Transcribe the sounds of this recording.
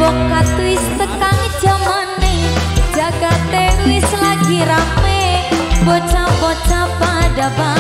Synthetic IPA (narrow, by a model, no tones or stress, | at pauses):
bɔkːat̪uɪst̪əkaŋ̥ | d͡ʒ̥amane̥d͡ʒ̥aɡat̪eɪslaɡiɾamebɔt͡ʃabɔt͡ʃapadapa